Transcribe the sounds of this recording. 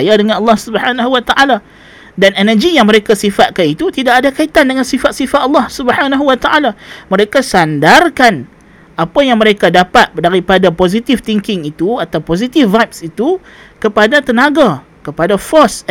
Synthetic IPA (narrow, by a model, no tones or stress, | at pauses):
ajadəŋãnɑlːɑhsubəhanaɦuwat̪aʔala | danɛnəd͡ʒijaŋməɾekasifat̪̚kanit̪ut̪idakadakait̪andəŋansifat̪̚sifat̪ɑlːɑhsubəhanaɦuwat̪aʔalaməɾekasandarkan | ʔapajaŋməɾekadapat̪̚daɾipadapozit̪ɪft̪iŋkɪŋit̪uat̪awpozit̪ɪfvajp̚sit̪u | kəpadat̪ənãɡa | kəpadafɔs